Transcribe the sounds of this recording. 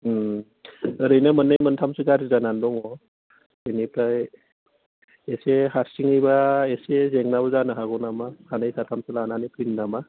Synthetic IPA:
ɯɾɯjnɯmɯnːɯjmɯntʰamsɯɡaɾizanandɔŋɔ | enipaj | eseɦaɾsiŋɯjbaesezeŋnabɔzanɯɦaɡɔnamahʰanajsatʰamsɯlananipʰɯnnama

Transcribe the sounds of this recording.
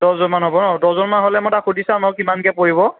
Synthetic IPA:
dɔzɔnmanɦobɔnɔdɔzɔnmanɦolɛmɔtaxudisanɔkimankɛpoɹibɔ

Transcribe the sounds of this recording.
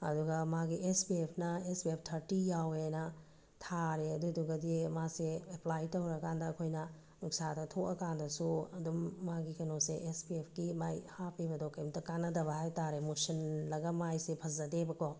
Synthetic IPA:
ɐduɡɐmaɡiʔespiepʰnɐespiep̚ʰtʰɐɾtijawenɐ | tʰaɾeɐduduɡɐdimaseːplajtowɾɐkʰandɐːkʰojnɐ | nuk̚sadɐtʰokɐkandɐsuɐdumːaɡikɐnoseʔespiepʰɡimajhapʰibɐdokɐjmtɐkanːɐdɐβɐhajtaɾemusɐnlɐɡɐmajsepʰɐzɐdebɐko

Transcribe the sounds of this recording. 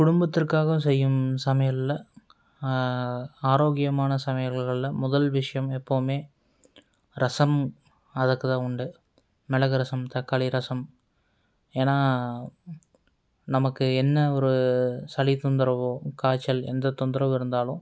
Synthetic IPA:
kʊɽʊmbɐt̪ːɪrkaːɣɐsɛjːɯmsɐmɐjɐt̪ɪlɐ | aːɾoːɣɪjɐmaːnɐsɐmɐjɐɣɐɭɪlɐmʊðɐlʋɪʂɐjɐmɛpːoʋɯmeː | ɾɐsɐm | ɐðɐkːɯt̪ãːʊɳɖɯ | mɛɭɐɣɯɾɐsɐmt̪ɐkːɐɭɪɾɐsɐm | eːnaː | nɐmɐkːɯɛnːɐɔɾɯsɐlit̪ɔnd̪ɪɾɐʋokaːt͡ʃːɐlɛ̰nd̪ɐt̪ːɔnd̪ɪɾɐʋɪɾɯnd̪aːlʊ̃

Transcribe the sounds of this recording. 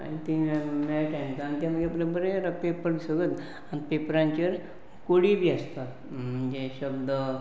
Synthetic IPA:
a̰nit̪imeʈankaanit̪jãməɡeplebəɾeɾpepəɾsəɡət̪ | anipepɾãɲt͡ɕeɾ | koɽibʱiːəst̪at̪ | mm̤ənd͡ʑeɕəbd̪ə

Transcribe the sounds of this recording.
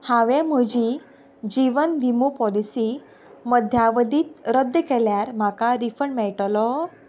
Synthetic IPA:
haʋem̤əd͡ʑi | d͡ʑiʋənʋimupɔlisiː | məd̪ʱjaʋəd̪iːt̪̚ɾəd̪jəkɛljaɾm̤akaɾifəɳmɛɭʈlɔ

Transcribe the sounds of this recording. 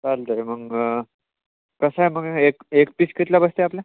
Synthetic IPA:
kalt̪əɾeməɡ | kəsaeməɡekekpiskit̪labəst̪eaplja

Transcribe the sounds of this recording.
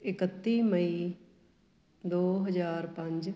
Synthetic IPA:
ɪkət̪ːiːməi | d̪oːɦəzaːɾpɐ̃ɲd͡ʒ

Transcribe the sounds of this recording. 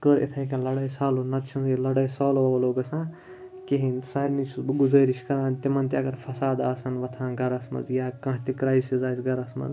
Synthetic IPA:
kəɾḛt̪ʰɐ̃kɐ̃lɐɽɐjsaːloːnɐt̪t͡ʃʰɐnzilɐɽɐjsaːloːloːɡɐsãː | kiɦinsaːɾnit͡ʃʰɡʊzɐːɾiʃkɐɾãːnt̪imɐnt̪iɐɡɐɾfʰɐsaːd̪aːsɐnʋɐt̪ʰãːɡɐɾɐsmɐ̰zjaːkãːɦt̪ikɾaːisizaːjsɡɐɾɐsmɐ̰z

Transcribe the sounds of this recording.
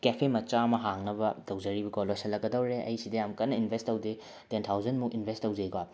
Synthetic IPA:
kepʰemɐt͡ʃamɐɦaŋnɐbɐtɐwd͡ʒɐɾibiɡɔlojsɐlːɐkɡɐdɐwɾeʔɐ̰jsidɐjamkɐtnːɐinbʱestːɐwdi | tentʰawzɐnmukinbʱestːɐwd͡ʒejɡa

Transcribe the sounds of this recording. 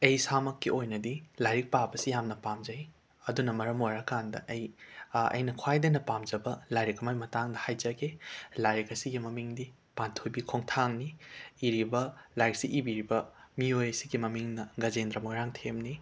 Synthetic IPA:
ɐjsamɐkːiʔojnɐdilajɾik̚pabɐsijamnɐpamd͡ʒɐj | ɐdunɐmɐɾɐmojɾɐkandɐ̰ʔɐjɐ̰jnɐkʰwajdenɐpamd͡ʒɐbɐlajɾikɐmajmɐtaŋdɐhajd͡ʒɐɡelajɾikɐsiɡimɐmiŋdi | pantʰojbikʰoŋtʰaŋniːɾibɐlajk̚siʔibiɾibɐmiojɐsiɡimɐmiŋnɐɡɐd͡ʒendɾɐmojɾaŋtʰemni

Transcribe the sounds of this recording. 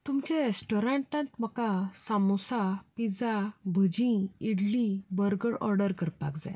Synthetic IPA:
t̪umt͡ɕẽɾesʈɔɾaɳʈãt̪m̤əkasamɔsapid͡zabʱəd͡ʑĩiɽlĩbəɾɡəɽʔɔ̰ɾɖəɾkəɾpa̰kd͡za̰j

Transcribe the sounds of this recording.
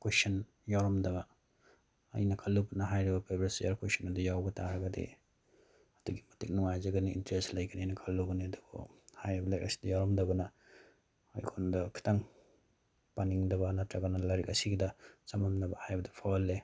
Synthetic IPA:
kwesɐn | jawɾɐmdɐbɐ | ɐ̰jnɐkʰalːubɐnɐɦajɾɐɡɐpʰebɾesejɐɾkwesɔnɐdujawɡɐtaɾɐɡɐdḭ | ɐduɡimɐtik̚nuŋajzɐɡɐniḭntɾestlɐjɡɐniajnɐkʰɐlːuɡɐniɐduɡo̰hajɐbɐlaka̰si̥dɐjawɾɐmdɐɡɐnɐ | a̰jkʰondɐkʰi̥taŋ | paniŋdɐβɐnɐtɾaɡɐnɐlaɾik̚ɐsiɡidɐt͡ʃɐmamnɐbɐhajbɐdɐ̥pʰolːe

